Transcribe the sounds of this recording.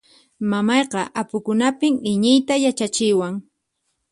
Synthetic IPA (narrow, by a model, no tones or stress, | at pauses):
mamɑjqɑʔapʊkʊnapɪmɪɲɪjt̪ajat͡ʃat͡ʃɪwaŋ